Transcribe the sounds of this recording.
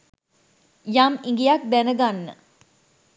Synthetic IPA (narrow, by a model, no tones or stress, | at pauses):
jamiŋɡijak̚d̪ænəɡanːə̰